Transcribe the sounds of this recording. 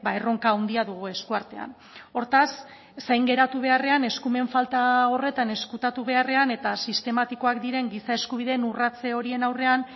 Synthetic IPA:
baero̞ŋkaːwnd̪iaðuɣ̞ue̞skuaɾt̪e̞a̰n | o̞ɾt̪asː | ajŋɡe̞ɾat̪uβ̞e̞are̞ane̞skume̞ɱfalt̪ao̞re̞t̪ane̞skut̪at̪uβe̞are̞ane̞t̪asist̪e̞mat̪iko̞akd̪iɾe̞ŋɡisae̞skuβ̞iðe̞ːnurat͡se̞o̞ɾie̞nawre̞an

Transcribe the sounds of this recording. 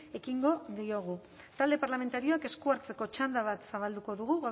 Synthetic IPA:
e̞kiŋɡo̞ðio̞ɣ̞u | t̪ald̪e̞paɾlame̞nt̪aɾio̞ake̞skuaɾt͡se̞ko̞t͡ʃand̪aβ̞at̪saβald̪uko̞ðuɣ̞uɣa

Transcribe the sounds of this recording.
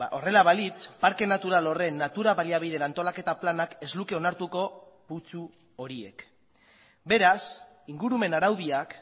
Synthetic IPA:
o̞re̞laβalit͡spaɾke̞nat̪uɾalo̞re̞nːat̪uɾaβaliaβ̞iðenant̪o̞lake̞t̪aplanake̞zluke̞o̞naɾt̪uko̞ | put͡su | o̞ɾie̞̰k | be̞ɾas | iŋɡuɾume̞naɾawð̞iak

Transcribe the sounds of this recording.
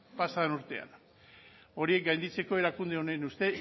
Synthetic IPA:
pasaðenuɾt̪e̞a̰n | o̞ɾie̞k̚ɡajnd̪it͡se̞ko̞e̞ɾakund̪e̞o̞nenust̪e̞

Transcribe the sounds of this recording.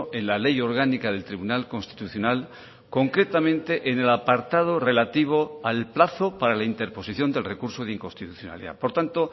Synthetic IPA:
ʔe̞nlale̞jo̞ɾɣ̞anikaðe̞lt̪ɾiβunalko̞nst̪i̥t̪uθjo̞nal | ko̞ŋkɾe̞t̪amẽnt̪e̞ʔene̞lapaɾt̪að̞o̞re̞lat̪iβ̞o̞alplaθo̞paɾalaint̪e̞ɾpo̞siθjo̞nd̪elre̞kuɾso̞ð̞eiŋko̞nst̪it̪uθjona̰lḭða̰po̞ɾt̪ant̪o

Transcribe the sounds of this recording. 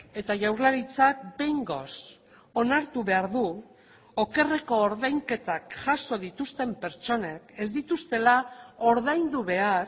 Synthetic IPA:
e̞t̪aʝawzlaɾit͡sak̚be̞jŋɡo̞̰s | o̞naɾt̪uβe̞aɾðu | oke̞re̞ko̞ːɾðajŋke̞t̪akʝaso̞ð̞it̪ust̪e̞mpe̞ɾt͡ʃo̞ne̞ke̞zd̪it̪ust̪e̞lao̞ɾðajnd̪uβe̞aɾ

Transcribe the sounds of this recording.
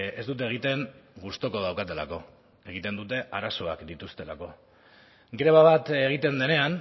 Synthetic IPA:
e̞̰zd̪ut̪̬e̞ːɣ̞it̪e̞ŋ | ɡust̪o̞ko̞ðawkat̪e̞la̰ko̞ | e̞ɣ̞it̪e̞nd̪ut̪e̞ʔaɾaso̞a̰kd̪it̪ust̪e̞la̰ko̞ | ɡɾe̞βaβat̪eɣ̞it̪e̞nd̪e̞ne̞an

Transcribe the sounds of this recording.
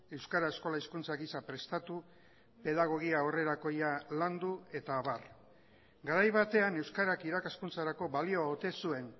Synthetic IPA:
e̞wskaɾae̞sko̞laiskunt͡saɣisapɾe̞st̪at̪u | pe̞ðaɣ̞o̞ɣ̞iaore̞ɾako̞jaland̪ue̞t̪aːβar | ɡaɾajβat̪e̞ane̞wskaɾakiɾakaskunt͡saɾako̞βalio̞aot̪e̞sue̞n

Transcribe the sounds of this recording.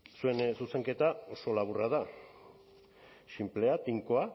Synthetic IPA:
sue̞nsuse̞ŋke̞t̪ao̞so̞laβuraða | ʃimple̞at̪iŋkoa

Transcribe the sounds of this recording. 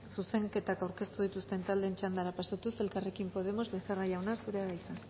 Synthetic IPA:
suse̞ŋke̞t̪akawɾke̞st̪uðit̪ust̪e̞nt̪ald̪e̞nt͡ʃand̪aɾapasat̪use̞lkare̞kimpo̞ð̞e̞mo̞zβeseraʎawnasuɾeaɣajsa

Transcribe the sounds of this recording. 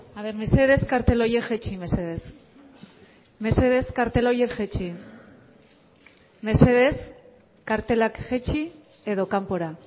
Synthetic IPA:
aβe̞ɾme̞se̞ð̞e̞skaɾt̪elo̞jekʝet͡ʃime̞se̞ð̞es | me̞se̞ð̞e̞skaɾt̪e̞lojekʝet͡ʃi | me̞se̞ð̞e̞s | kaɾt̪e̞lakʝet͡ʃi | e̞ðo̞kampo̞ɾa

